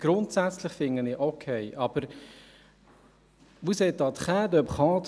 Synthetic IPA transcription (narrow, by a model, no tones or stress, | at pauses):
ɡ̥ɾʊntsæt͡slɪχfɪŋənɪːʔokʰɛɪʔɑb̥əɾ | ʋusɛt̚dɑːt̪χæːdœpχɑːt